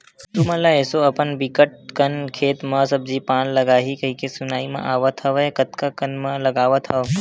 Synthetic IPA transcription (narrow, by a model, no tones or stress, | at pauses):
t̪umɐ̃laeːsoɐpənbikəʈ̚kənkʰeːt̪mãsɐb̚d͡ʒipaːnlɐɡaːɦikəɦikesʊnaːimã̰ʔaːʋat̪ʰɐʋekət̪kakənmãlɐɡaːʋat̪ʰaʋ